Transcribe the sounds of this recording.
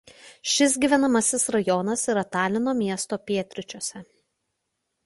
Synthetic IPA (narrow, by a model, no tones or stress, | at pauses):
ʃʲɪs̬ɡʲiːʋʲɛnɐmɐsʲɪsɾɐjɔnɐsɪɾɐt̪ɑːlʲɪnoːmʲiɛst̪oːpʲiɛt̪ʲɾʲɪt͡ʃʲoːsʲɛ